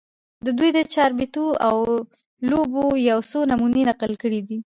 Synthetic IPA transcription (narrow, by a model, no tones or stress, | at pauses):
d̪əd̪ujd̪ət͡ʃɑɾbet̪uaw | lobojawsonamunenaqəlkəɽid̪i